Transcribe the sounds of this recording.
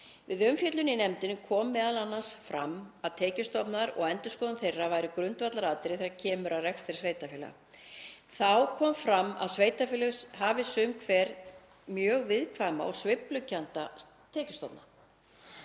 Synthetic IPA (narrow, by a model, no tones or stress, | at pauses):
vɪðʏmfjœt̪lʏninɛmt̪ɪnʏmkʰɔːmːɛːðalanːansfɾa̰maðt̪ʰɛːcɪst̪ɔpnaɾɔ̰ɣɛnt̪ʏskɔːðanθejrːavaːjɾɪkɾʏnt̪vat̪laɾaːt̪ɪɾɪθeɾacʰɛːmʏɾaðrɛkst̪ɪɾsveːjt̪afɪːla̰ | θawkʰɔːmfɾamːa̰ðsveːjt̪afɪːlʏsɦavɪsʏmkʰvɛːɾ | mjœːɣvɪðkʰvama̰ɔ̰ɣsvɪplʏcːant̪a | t̪ʰɛːcɪ̥st̪ɔpna̰